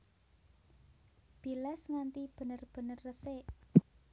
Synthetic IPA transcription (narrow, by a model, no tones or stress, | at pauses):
b̥ilɛsŋant̪ib̥ə̤nərb̥ə̤nərːəse